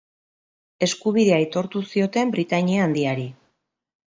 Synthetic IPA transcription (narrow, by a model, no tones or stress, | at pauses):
e̞skuβiðe̞ajt̪o̞ɾt̪usio̞t̪e̞mbɾit̪aɲiaːnd̪iaɾi